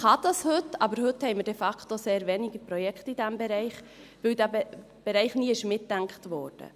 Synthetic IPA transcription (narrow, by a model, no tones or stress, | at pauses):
χɑd̥ɑshɵtːɑbəɾhɵthɛɪməɾdɛfɑktoseːɾvɛniɡəpɾɔjɛkχt̪id̥æmbɛɾɛɪχ | ʋɪwdæbɛ | b̥ɛɾɛɪχniːəɪʃmɪtːæŋkχtʋɔ̰ːrd̥ə̰